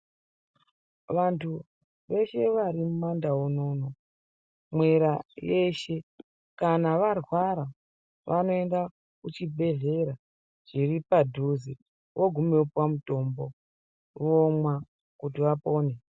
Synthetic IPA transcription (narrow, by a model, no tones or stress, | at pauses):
ʋantʰu | ʋe̞ʃe̞ʋaɾimumandawuno̞ːno | mwe̞ɾaje̞ʃe̞ | kanaʋarwaɾa | ʋʔano̞e̞nda | kut͡ʃibʱe̞ɮe̞ɾa | ʐ̥iripadʱuzi | wʔo̞ɡʱumeupwamuto̞ːmbo | ʋomwa | kutiʋapo̞ːne